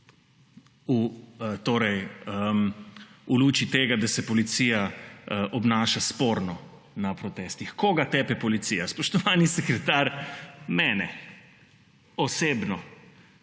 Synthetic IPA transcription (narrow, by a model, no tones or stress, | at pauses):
ut̪oːɾɛjəmuluːt͡ʃit̪eːɡad̪asɛpɔlit̪siːjaʔɔbnaːʃaspoːɾnɔ | napɾɔt̪ɛːst̪ixkoɡat̪ɛpɛpɔlit̪sijaspɔʃt̪ɔʋaːnisɛkɾɛt̪aɾmɛːnɛ | ɔseːbnɔ